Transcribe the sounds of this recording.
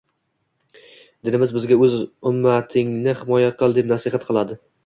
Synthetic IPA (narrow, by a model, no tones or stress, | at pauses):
d̪ɪnɪmɪzbɪzɡʲaɵzʊmːat̪ʰɪŋnɪhɪmɒjaqʰɨlˠd̪epnasɪhat̪̚qʰɨlˠad̪ɪ